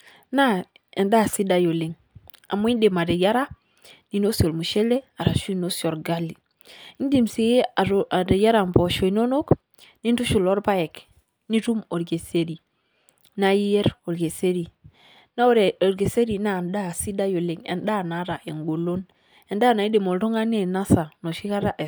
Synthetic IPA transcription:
na˦ | e˨nda˦˨si˦da˦jo˨le˨ŋ | a̰˨mu˦i˦nde˨ma˨de˨ja˦ɾa˦ | ni˨no˦si˨o˨lmu˨ʃe˦le˦a˨ɾa˨ʃu˦i˦˨no˦si˨o˨ɾɡa˦li˨ | i˦n˦di˦˨mse˨je˦˨a˨de˨ja˦ɾa˨mpo˨ʃo˨i˨no˦no˦k | ni˦n˦tu˦ʃu˨lo˦ɾpa˦je˨k | ni˦ɾu˦mo˨ɾɡe˨se˦ɾi˨ | na˦ji˦je˦ɾo˨ɾɡe˨se˦ɾi˨ | na˦ɾɾɡe˨se˦ɾi˨na˦˨nda˦˨si˦da˦jo˨le˨ŋḛ˨nda˦˨na˨˦ɾa˨ʔe˨ŋɡo˨lo˦n | e˨nda˦˨na˨i˦de˨mo˨lto˦ŋa˦ne˦˨na˦sa˨no˨ʃi˦ka˦ɾa˦ʔe˨

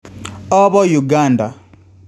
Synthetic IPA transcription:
ɔ˦βɔ˦ju˨ɡa˦˨nda˨

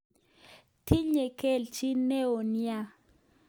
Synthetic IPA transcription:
tʰi˦ɲɛ˨kɛ˦˨lt͡ʃʰʼi˦nɛ˦o˨n˦a˦

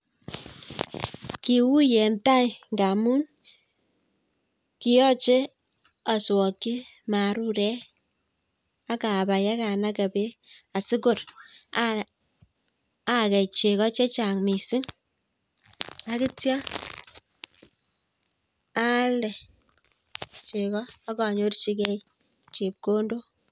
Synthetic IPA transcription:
ki˨wu˦jɛ˨n˦ta˦i˨ŋ˨ɡa˨mu˦n | ki˨jɔ˦t͡ʃe˦ | a˨swɔ˨ki˦ | ma˨ɾu˦ɾɛ˦ | a˦ka˨ba˨ja˦ka˨na˦kɛ˨be˦a˨sɪ˦ko˨ɾ | a˦kɛ˨jt͡ʃe˨kɔ˦t͡ʃɛ˦t͡ʃa˨ŋmi˨si˦ŋ | a˦ki˦tja˦ | a˦ldɛ˨ | t͡ʃe˨kɔː˦ka˨ɲo˦rt͡ʃi˦kɛ˦ | t͡ʃe˨p̚ko˦ndo˦

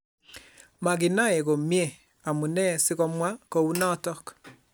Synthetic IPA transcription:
ma˨ɡɪ˨na˦e˨ɣo˨mje˦˨ | a˨mu˨nɛ˦sɪ˦ɣɔ˦mwa˦ko˨u˦nɔ˦tɔ˦k

